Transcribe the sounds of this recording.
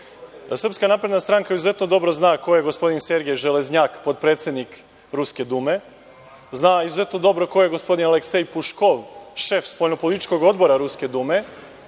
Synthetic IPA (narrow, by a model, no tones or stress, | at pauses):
sɾrpskanapɾe̞d̪nast̪ɾaŋkaizuze̞t̪nod̪o̞bɾo̞znaːko̞jeɡospo̞d̪inse̞ɾɡeʒelezɲaːkpo̞t̪̚pɾet̪sje̞d̪nik | ɾuske̞d̪ume̞ | znaizuze̞t̪nod̪o̞bɾo̞ko̞jeɡo̞spo̞d̪inale̞ksejpuʃko̞ʋʃe̞fspo̞lʎʲnopo̞lit̪it͡ʃko̞ɡo̞d̪bo̞ɾaɾuske̞d̪ume̞